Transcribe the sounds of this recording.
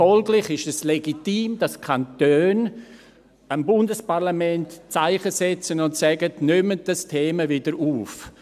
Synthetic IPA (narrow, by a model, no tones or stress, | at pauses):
ɔlɡlɪχɪʃɛsleɡitiːmd̥ɑskʰantøːn | əmbʊndəspaʁlamɛntt͡saɪχəsɛt͡sənʊntsɛɡətnʏmət̚d̥astʰeːməvɪdəɾuːf